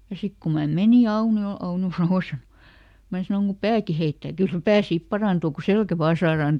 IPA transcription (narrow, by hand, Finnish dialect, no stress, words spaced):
jɑ sik ku mɑ meni ɑuniol ɑunjo sɑnos mæː sɑnoŋ ku pæːki heitːæː kyl pæː sip pɑrɑˑntuː ku selkæ ʋɑː sɑːrɑːn